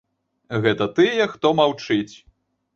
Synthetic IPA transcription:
ɣɛt̪ɐt̪ɨjɛxt̪ɔmawt͡ʂɨt͡sʲ

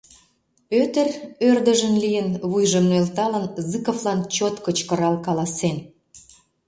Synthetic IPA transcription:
øt̪ərørd̪əʒənlijənβujʒə̆mnelt̪ɑlənzɨkəvlɑnt͡ɕot̪kət͡ɕkə̆ɾɑlkɑlɑsen

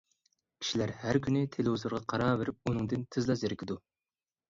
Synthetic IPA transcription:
kʲi̥ʃilæɾhæɾkʲʰynɪt̪ʰeluzɨɾʁɑqʰɑɾɑːveɾɪp̚unɨŋd̪ɪnt̪ʰɪzlˠɑzɪɾɪkʲʰid̪u

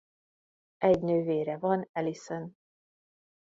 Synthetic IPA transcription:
ʔɛɟnøːveːɾɛvɒnɛlisɛn

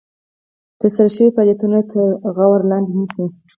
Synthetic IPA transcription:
t̪asaɾaʃəwifɑljat̪unat̪ʰəɾɣawaɾlɑnd̪enisi

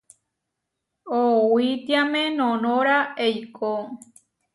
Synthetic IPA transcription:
owit̪iamẽnõnõɾaejkʰo

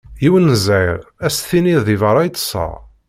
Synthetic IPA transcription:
jiwənːəzæjʁæsθiniððivəɾˤɑjt͡s̪ːə̥sˤːɑ̰

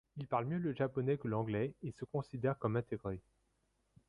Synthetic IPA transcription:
ilpaʁlmjøləʒapɔnɛkəlɑ̃ɡlɛesəkɔ̃sid̪ɛʁkɔmɛ̃t̪eɡʁe

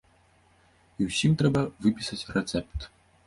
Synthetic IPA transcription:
iwsʲimt̪ɾɛbɐvɨpʲisɐt͡sʲrɛt̪sɛp̚t̪

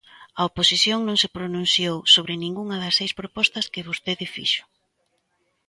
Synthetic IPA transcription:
ɐoposiθjoŋnõŋsɪpɾonũn̟θjowsoβɾɪnĩŋɡuŋɐðɐsːejspɾopɔst̪ɐskɪβost̪eðɪfḭʃʊ̥

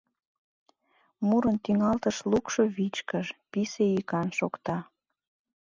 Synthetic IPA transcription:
muɾənt̪iŋɑlt̪əʃlukʃoβit͡ɕkəʃpiseikɑnʃokt̪ɑ

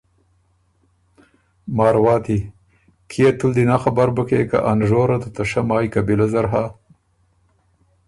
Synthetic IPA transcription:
mɑːɾwɑːt̪i | kʰijat̪uld̪inaxabaɾbukeːka̰ʔanʒoːɾat̪ut̪aʃamɑːjkabilazaɾɦa

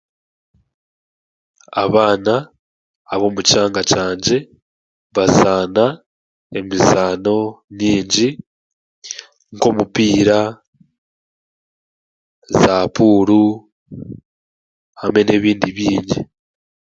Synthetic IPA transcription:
a̰βaːnaː | βo̞ːmuci̥aːŋɡacaːɲɟe̞ | βazaːna | e̞mizaːno̞mɲiːɲɟi | ŋko̞mupiːɾa | zaːpuːɾu | hame̞ne̞ːβiːndiβjiːɲɟi

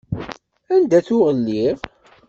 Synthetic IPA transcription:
ænd̪æθʊʁəlːiʁ

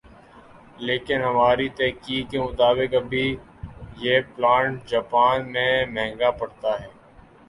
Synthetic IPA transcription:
leːkɪnɦɐmaːɾit̪ɛːkiːɡkemʊt̪aːbɪkɐbʱi | jeːplaːɳʈ̚d͡ʒaːpaːnmẽmɛ̃ɦːŋɡapɐɽt̪aɦɛː

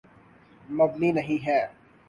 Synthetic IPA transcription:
mɐbninɐɦĩɦɛː

